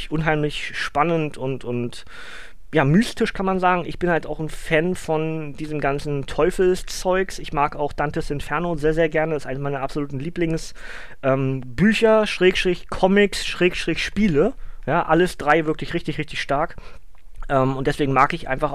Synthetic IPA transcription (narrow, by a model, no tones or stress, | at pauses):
çʔʊnɦaɪmlɪçʃpanəntʰʊntʊnt | jaːmyːstɪʃkʰanmanzaːɡŋ̩ɪ̰çb̥ɪnhaltaʊxn̩fɛnfɔndiːzəm̩ɡant͡sn̩tʰɔʏfl̩st͡sɔʏksʔɪçmaːkaʊxd̥antəsɪntfɛɐnozeːɐzeːɐɡɛɐnəɪstʔaɪnmaɪnəapz̥oluːtn̩liːplɪŋs | ʔɛːmbyːçɐʃʁ̥eːkʃtʁ̥ɪçkʰɔmɪksʃʁ̥eːkʃtʁ̥ɪçʃpiːləjaːʔaləsd̥ʁaɪvɪɐklɪçʁɪçtɪçʁɪçtɪçʃtaɐk | ʔɛːmʊntd̥ɛsv̥eːɡŋ̩maːkɪçʔa̰ɪnfaχ